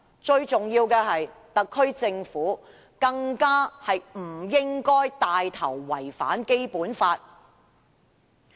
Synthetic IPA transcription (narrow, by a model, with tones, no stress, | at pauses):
t͡ʃɵ˧ɥt͡sʊ˨ŋjiː˧wkɛː˧ɦɐ˨jt̪ɐ˨kʰːɵ˥ɥt͡sɪ˧ŋfuː˨˥ | kɐ˧ŋkaː˥hɐ˨jm̩˨˩jɪ˥ŋkɔː˥jt̪aː˨jt̪ʰɐ̰˨˩wːɐ˨˩jfa̰ː˨˥nke˥jpuː˨˥nfaː˧t̚